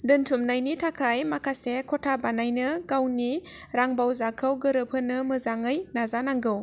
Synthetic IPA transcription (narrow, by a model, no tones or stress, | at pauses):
dɯntʰumnajnitʰakʰajmakʰasekʰɔtʰabanajnɯɡawniɾaŋbawzakʰɯwɡɯɾɯpʰɯnɯmɯzaŋɯjnazanaŋɡɯw